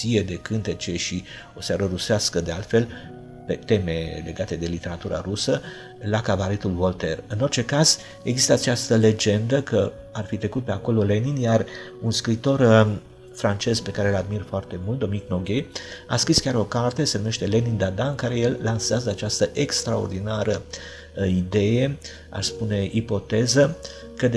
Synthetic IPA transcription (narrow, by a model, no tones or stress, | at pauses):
ied̪e̞kɨnt̪e̞t͡ʃe̞ʃi | o̞seaɾəɾuseaskəd̪e̞a̰lt̪fe̞l | pe̞t̪e̞me̞le̞ɡat̪e̞d̪e̞lit̪e̞ɾat̪uɾʔa̰ɾusə | lakabaɾet̪ulvo̞lt̪e̞rɨno̞rt͡ʃe̞kaz̥ | e̞ɡzist̪əat͡ʃast̪əle̞d͡ʒe̞nd̪əkə | arfit̪ɾe̞kut̪̚pe̞ako̞lo̞le̞ninjar | unskɾit̪o̞r | fɾant͡ʃe̞zpe̞kaɾe̞lad̪mirfoart̪e̞mult̪d̪omiikno̞ɡʲea̰skɾiskʲaɾo̞kart̪e̞se̞nume̞ʃt̪e̞le̞nind̪ad̪aɨnkaɾe̞je̞lːansazəat͡ʃast̪əʔe̞kst̪ɾao̞̰rd̪inaɾə | id̪e̞je̞ | a̰spune̞ʔipo̞t̪e̞zə | kəd̪